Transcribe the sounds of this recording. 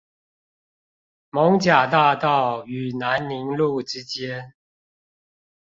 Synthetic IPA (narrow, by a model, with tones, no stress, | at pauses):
mo˧˦˥ŋt͡ɕja˨˩t̪a˥˧t̪ɑ˥˩ʊy˨˩na˧˦nli˧˥ŋlu˥˩ʈ͡ʂɻ̩˥t͡ɕjɛ˥n